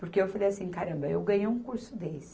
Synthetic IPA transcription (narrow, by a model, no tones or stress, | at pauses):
pʊɾkeewfalejasĩkaɾɐ̃mbɐewɡɐ̃ɲejũkuɾsʊd̪elsɪ̥